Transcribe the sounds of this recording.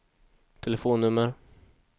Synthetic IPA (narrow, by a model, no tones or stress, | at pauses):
t̪ʰɛlɛfoːnːɵmːəɾ